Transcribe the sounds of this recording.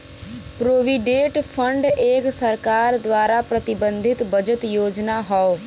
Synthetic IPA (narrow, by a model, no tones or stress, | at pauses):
pɾoːʋiɖeːʈpʰə̃ɳɖeːksɐɾkaːɾd̪waːɾapɾɐt̪ɪbə̃nd̪ʱɪt̪bɐd͡ʒət̪joːd͡ʒnaɦɔo